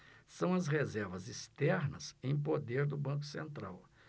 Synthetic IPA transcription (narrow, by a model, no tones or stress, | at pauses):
sɐ̃w̃ɐzhezɛɾvɐzist̪ɛɾnɐ̰zẽj̃p̬od̪eɾd̪ʊbɐ̃k̬ʊ̥sẽnt̪ɾa̰w